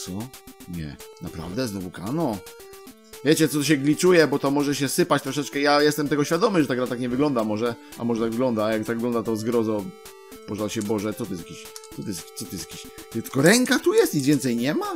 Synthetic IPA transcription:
t̪sɔɲɛ̰napɾa̰vd̪ɛznɔvukanɔ | vʲjet͡ɕɛt̪sɔt̪ɔɕ̬ɛɡlʲit͡ʂujɛbɔt̪ɔmɔʐɛɕɛsɘpat͡ɕt̪ɾɔʂɛt͡ʂkɛjajɛst̪ɛmt̪ɛɡɔɕfʲjad̪ɔmɘʐɛt̪aɡɾat̪akɲɛvɘɡlɔnd̪amɔʐɛ | a̰mɔʐɛt̪aɡvɨɡlɔnd̪ajak̚t̪aɡvɨɡlɔ̃nd̪at̪ɔzɡɾɔzɔ | pɔʐalɕɛbɔʐɛt̪ɔt̪ɔjɛsjakʲeɕt̪ɔt̪ɔjɛst̪jt̪sɔt̪ɔjɛsjakʲiɕt̪ɨ̥kɔɾɛŋkat̪ujɛst̪ɲit̪zvʲɛnt̪sɛjɲɛma

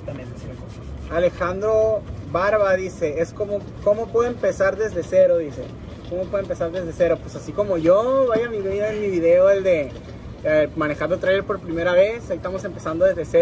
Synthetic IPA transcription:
ale̞xand̪ɾo̞βaɾβaðise̞esko̞mo̞ | ko̞mo̞pwe̞ðoempe̞saɾðe̞zðe̞se̞ɾo̞ðise̞̰ | komopwe̞ðempesaɾðe̞zðese̞ɾo̞pwesasiko̞mo̞ʝoβajamiβienmiβiðe̞oeld̪e̞ | emãnexand̪o̞t̪ɾajleɾpo̞ɾpɾime̞ɾaβe̞saest̪amo̞se̞mpe̞sand̪o̞ðe̞zðeseɾo

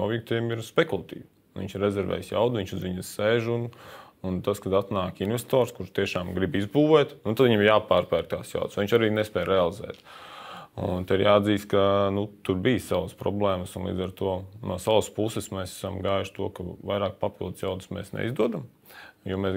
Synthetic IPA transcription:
ɔbjɛk̚t̪iɛmiɾusspekulˠət̪ḭːʋ | ʋḭɲt͡ʃiɾːɛzɛɾʋɛ̰ːjsja̰wd̪uʋiɲʲt͡ʃuzʋiɲseːʒun | unt̪askad̪at̪naːkinʋest̪t̪ɔːɾskuɾʃt̪iɛʃaːmɡɾibizbuːʋɛːt̪unt̪ad̪iɲmɾjaːpaːɾpɛɾt̪aːsja̰ʊd̪̥sʋiɲt͡ʃaɾiːnɛspɛːjɾɛalˠizɛ̰ːt̪ | ṵnt̪eiɾjaːad̪ziːst̪kanut̪uɾbiːssaʋaspɾɔ̰blˠɛːməsunlḭːzaɾt̪uɔnʔuɔsaʋaspusɛsmɛːsɛ̥samɡaːjuʃt̪uɔkavajɾaːkpapilˠd̪sjawd̪smɛ̰ːsnɛ̰izd̪uɔd̪am | juɔmɛs

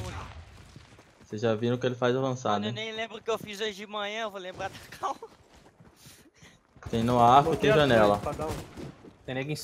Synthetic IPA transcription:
sezʒaviɾɐ̃kɪelɪfajzavɐ̃saɾnɛ̃nẽj̃lẽmbɾʊkɪewfizoʒɪd͡ʒɪmɐ̃ɲɐ̃ewvolẽmbɾad̪ɐkʰawmɐ | t̪ẽj̃nʊ̃akʊit̪ẽj̃ʒanɛlɐpaɡɐ̃w̪ | ẽnẽɡẽ

